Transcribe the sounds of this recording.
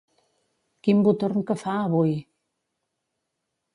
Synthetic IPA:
kimbut̪orŋkəfaəβuj

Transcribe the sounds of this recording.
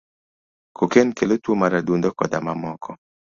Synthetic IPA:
kokenkelotwomaɾadund̪ɔkɔdamamɔkʰɔ

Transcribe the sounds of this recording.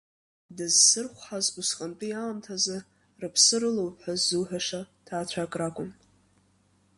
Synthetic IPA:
dɨzsɨrχʷħazbusqʼantʼɨjaːmtʰazɨ | rɨpʰsɨɾɨlowpħʷazːuwħaʂatʰaːt͡ɕʷʰakʼrakʷʼʊm

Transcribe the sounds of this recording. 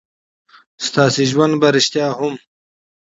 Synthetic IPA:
st̪ɑːsiʒwand̪baɾɪʃt̪jɑːhʊm

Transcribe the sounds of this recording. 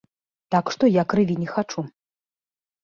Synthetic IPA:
t̪akʂt̪ɔjakɾɨvʲinʲɛxat͡ʂu

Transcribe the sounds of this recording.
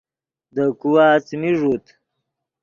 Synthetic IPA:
d̪əkuwaːt͡smiʐut̪

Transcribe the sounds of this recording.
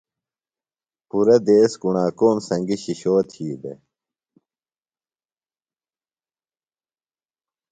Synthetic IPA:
puɾɐd̪eːskuɳaːkoːmsɐ̃ŋɡiɕiɕoːt̪ʰiːbḛ

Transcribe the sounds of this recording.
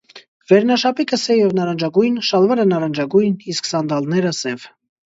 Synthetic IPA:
vɛɾnɑʃɑpikəsɛjɛvnɑɾɑnd͡ʒɑɡujnʃɑlvɛɾənɑɾɑnd͡ʒɑɡujnisksɑnd̪ɑlnɛɾəsɛv

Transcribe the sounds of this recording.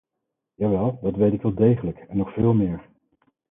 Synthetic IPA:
jaːʋɛlˠdɑtʋejtɪkʋɛlˠdejχələkɛnːɔχfɪːlˠmɪːɹ

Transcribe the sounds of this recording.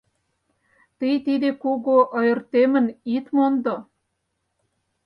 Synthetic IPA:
t̪ijt̪id̪ekuɣoʔːjɤ̆rt̪emə̆nit̪mond̪o

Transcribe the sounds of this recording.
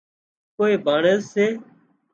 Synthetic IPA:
koːeːbʱaːɳəzseː

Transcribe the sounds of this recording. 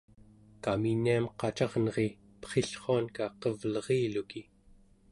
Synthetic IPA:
kaminːiamqɑt͡ʃɑʁnʌʁe̞ | pʌ̥χeɬχoankaqʌvlʌʁiːluki

